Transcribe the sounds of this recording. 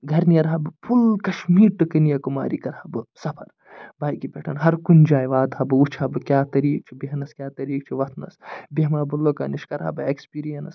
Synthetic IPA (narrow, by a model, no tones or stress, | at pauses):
ɡʱɐɾnijɐɾɦɐbɨpʰulkɐʃmiːɾʈɨkɨnijɐkuma̰ːɾikɐɾhɐbɨsɐpʰɐ̰ɾ | baːjkipʲeːʈʰɐnɦɐɾkunʲd͡ʒaːjʋaːd̪hɐbɨut͡ʃʰɐbɨkʲaːt̪ɐɾiːk̚t͡ʃʰubiɦnɐskʲjaːt̪ɐɾiːk̚t͡ʃʰuʋɐt̪ʰnɐ̰sbʲeɦmaːbɨlːoːkɐniʃkɐɾɦɐ̰bɨekspiːɾijɐnɐs